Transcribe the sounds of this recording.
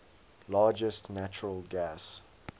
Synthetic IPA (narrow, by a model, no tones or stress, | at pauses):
lɑːd͡ʒəstnæt͡ʃəɹəlˠɡæs